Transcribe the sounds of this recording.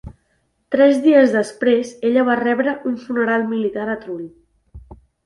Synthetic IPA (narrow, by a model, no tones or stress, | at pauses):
t̪ɾɛzðiəzðəspɾezeʎəβ̞arɛβɾəʔunfunəɾalˠmilit̪aɾət̪ɾuʎ